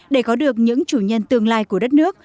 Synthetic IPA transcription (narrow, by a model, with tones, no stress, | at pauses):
ɗe˧˩kɔ˨˦ɗɨ˨˩ək̚ɲɨ̰˧˥ŋt͡ɕu˧˩ɲə˧nt̪ɨ˧əŋlaː˧jku˧˩əɗə˦˥t̚nɨ˦˥ək̚